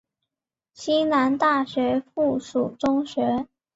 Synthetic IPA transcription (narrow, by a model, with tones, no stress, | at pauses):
ɕi˥na˧˥nt̪a˥˩ɕɥɛ˧˥fu˥˩ʂu˨˩ʈ͡ʂʊ˥ŋɕɥɛ˧˥